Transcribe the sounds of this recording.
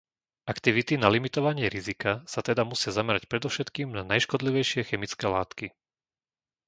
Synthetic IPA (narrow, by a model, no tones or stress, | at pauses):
ʔakt̪iʋit̪inalimit̪ɔʋaɲɪɛɾizikasat̪ɛd̪amusɪazamɛɾacpɾɛd̪ɔfʃɛt̪kiːmnanajʃkɔd̪liʋɛjʃɪɛxɛmit͡skɛːlaːt̪ki